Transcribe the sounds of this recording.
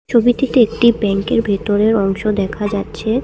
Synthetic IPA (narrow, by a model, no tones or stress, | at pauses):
t͡ɕʰobit̪it̪eek̚ʈibɛŋkeɾbʱet̪oɾeɾɔŋʃod̪ɛkʰad͡ʑatːɕʰe